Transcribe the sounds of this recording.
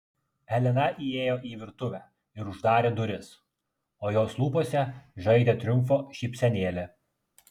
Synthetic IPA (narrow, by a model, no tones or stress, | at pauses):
ɛlʲɪnɐʔieːjoːʔiːʋʲɪɾt̪ʊʋʲæː | ɪɾʊʒd̪ɑːɾʲeːd̪ʊɾʲɪs | oːjoːslˠuːpoːsʲɛʒɐɪd̪ʲeːt̪ʲɾʲʊmfoːʃʲiːpʲsʲɛnʲeːlʲe